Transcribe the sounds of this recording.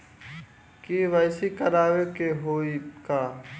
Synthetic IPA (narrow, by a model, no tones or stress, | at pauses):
kiʋajsikəɾaːʋekeɦoːikaː